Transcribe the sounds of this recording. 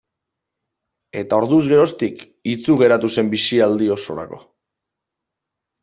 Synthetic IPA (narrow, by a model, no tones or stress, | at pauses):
e̞t̪ao̞ɾðuzɣe̞ɾo̞st̪ik | it͡suɣ̞e̞ɾat̪use̞mbisiald̪io̞so̞ɾa̰ko̞